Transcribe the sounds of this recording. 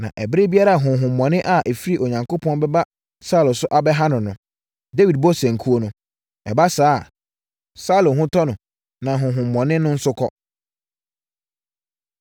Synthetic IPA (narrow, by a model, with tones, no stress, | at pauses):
nã̰˨ʔɛ˨bɪ˦ɾe˦bi˦a˦ɾa˦˨a˨ɦʊ̃˨ɦʊ̃˨m̩ː˨ɔ̃˨nɪ̃˦ʔa˦˨ʔɛ˨fi˦ɾi˦ʔo˨ɲã˨ŋko˦pʰɔ̃˦nbɛ˦ba˦ | sa˦˨lʊ̃˨sʊ˦ʔa˨bɛ˦ɦa˦nʊ̃˨nʊ̃˨ | de˦wi˨d̚bɔ˦sæ̃˨ŋ̩˨kʰu˦o˦nʊ̃˨ | ɛ̰˨ba˦saː˦˨ | sa˦lʊ̃˨ɦʊ̃˦tʰɔ˦nʊ̃˨ | nã˨ɦʊ̃˨ɦʊ̃˨m̩ː˨ɔ̃˨nɪ̃˦nʊ̃˦n̩˦sʊ˦kʰɔ˦